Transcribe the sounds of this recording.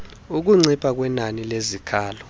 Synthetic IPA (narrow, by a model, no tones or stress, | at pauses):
uk̬uŋ͡ǀʱipʰak̬wɛnanilezikʰaːlɔ